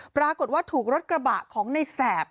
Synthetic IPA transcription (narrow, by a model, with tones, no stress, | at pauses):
pɾaː˧ko˨˩t̪̚waː˥˩t̪ʰuː˨˩k̚ɾo˦˥t̪̚kɾa˧ba̰ː˨˩kʰːɔː˩˦ŋna˧jsɛː˨˩p̚